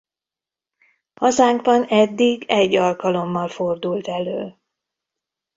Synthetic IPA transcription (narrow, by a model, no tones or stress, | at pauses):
hɒzaːŋɡbɒnɛd̪ːiɡɛɟːɒlkɒlo̞mːɒlfo̞rd̪ult̪ɛløːl